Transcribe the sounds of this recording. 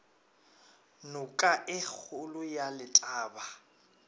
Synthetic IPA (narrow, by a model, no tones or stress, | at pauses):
nʊkʼaʔɪk͡xʰʊlʊjalɪtʼaːba